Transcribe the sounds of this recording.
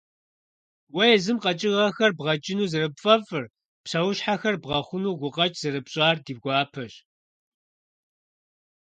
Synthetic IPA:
wɐjɛzɨmqɐt͡ʃʼɪʁɐxɐrbʁɐt͡ʃʼɪnuːzɨrɨpfʼɐfɨr | pɕɐwʊɕħaxɐrbʁɐχʷʊnuːɡʷʊqʼɐt͡ʃʼz̥ɨrɨpɕʼaːrdiːb̚ɡʷɑːpʰɐɕ

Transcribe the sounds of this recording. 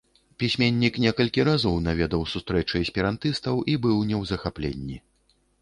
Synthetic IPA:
pʲisʲmʲenʲːiknʲɛkɐlʲkʲiɾazɔwnavʲɛd̪ɐwsust̪ɾɛt͡ʂɨɐsʲpʲɛɾant̪ɨst̪ɐwʔibɨwnʲɛwzɐxaplʲḛnʲːi

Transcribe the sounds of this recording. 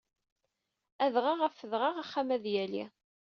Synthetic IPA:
æðʁɑʁəfəðʁɑʁaχːamæðjælḭ

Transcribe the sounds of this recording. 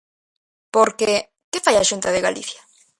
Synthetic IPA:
poɾke | kefajaʃunt̪aðeɣalḭθja

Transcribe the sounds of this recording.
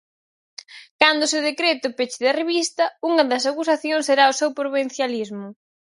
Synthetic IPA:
kand̪ʊseʊðekɾet̪ʊpet͡ʃɪðɐreβist̪ɐuŋɐðɐsakusaθjoŋseɾaʊsewpɾoβen̟θjalizmʊ

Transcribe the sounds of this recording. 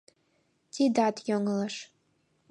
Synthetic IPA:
tʰidatʰjʲoŋɨlaʂ

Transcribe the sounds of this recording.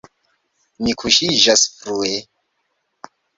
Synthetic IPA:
nikʰuʃiʒasfɾue

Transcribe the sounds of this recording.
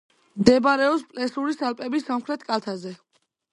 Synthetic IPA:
md̪ɛbaɾɛɔpspʼlɛsuɾisalpʼɛbisːamχɾɛt̪ʰkʼalt̪ʰazɛ

